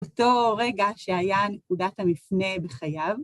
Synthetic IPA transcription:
oto̞ʁe̞ɡaʃeajanekudathamifne̞beχajav

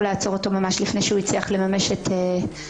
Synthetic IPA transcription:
leat͡so̞ʁoto̞mamaʃlifnejʃeuit͡sliaχle̞mame̞ʃetʰe

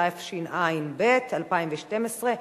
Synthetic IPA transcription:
aefʃinʔainbetalpaimveʃtemesʁe

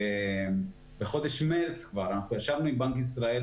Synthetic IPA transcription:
e | beχo̞d̪e̞ʃmelt͡skvaʁanaχnujaʃavnuimbaŋkisʁael

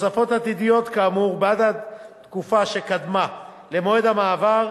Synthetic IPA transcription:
safo̞tat̪idijo̞t̪kaːmuʁbad̪adt̪kufaʃe̞kad̪ma | le̞mo̞edamaːvaʁ

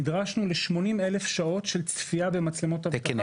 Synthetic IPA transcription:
idʁaʃnuleʃmo̞nime̞le̞fʃao̞tʃe̞lt͡sfiabe̞mat͡slemo̞tav

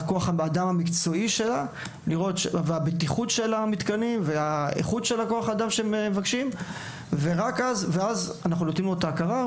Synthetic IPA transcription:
ko̞aχaadamhamikt͡so̞iʃe̞la | liʁo̞t̪ʃveabet̪iχutʃe̞lamit̪kaniveaḛχutʃe̞lako̞aχaːd̪amʃemevakʃim | ve̞ʁakazveazanaχnulotimlot̪aːkaʁa

